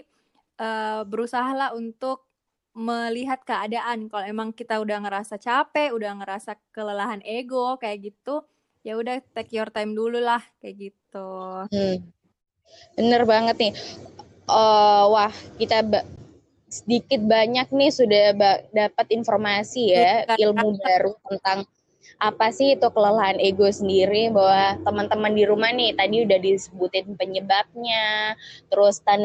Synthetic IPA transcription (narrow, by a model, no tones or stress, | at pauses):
ʔəːbəɾusaɦalaɦunt̪ʊk̚ | məliɦat̪̚kəadaʔankaloemaŋkit̪audahŋəɾasat͡ʃapɛudahŋəɾasakələlaɦaneɡokajaʔɡit̪u | jaudaht̪ɛkjɔrt̪ajmdululahkajaʔɡit̪̚u | bənərbaŋət̪̚nɪ | ʔəwahkit̪ab | sədikɪt̪̚baɲak̚nɪhsudahbadapat̪informasijailmaubaɾut̪ənt̪aŋ | ʔapasɪhit̪ukələlaɦaneɡosəndiɾibawat̪əmənt̪əməndiɾumahnɪht̪adiudahdisəbut̪ɪnpəɲəbap̚ɲat̪əɾʊst̪an